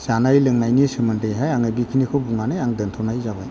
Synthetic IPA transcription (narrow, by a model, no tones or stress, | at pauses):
z̥anajlɯŋnajnisɯmɯntɯjɦajaŋɯbikʰinikʰɯwbuŋanɯjaŋdɯntʰɔwnajzabaj